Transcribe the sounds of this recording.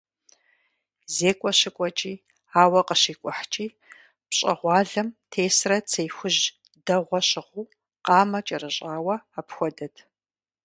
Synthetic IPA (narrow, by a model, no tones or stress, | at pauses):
zeːkʷʼɔɕɪkʷʼɔt͡ʃʼiː | aːwɐqəɕiːkʷʼʊħt͡ʃʼiː | pɕʼɐʁʷɑːɮɐmtʰeːsrɐt͡sʰejxʷʊʑ | dɐʁʷɔɕɪʁʷuː | qɑːmɐt͡ʃʼɐrɨɕʼaːwɐapxʷɔdɐtʰ